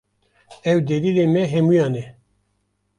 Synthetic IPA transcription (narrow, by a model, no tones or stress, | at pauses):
ɛwd̪edileːmɛɦɛmujɑːnɛ